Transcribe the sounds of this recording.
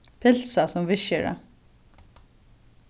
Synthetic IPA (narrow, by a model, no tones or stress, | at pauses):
pʰɪl̥sasɔmvɪʃəɾa̰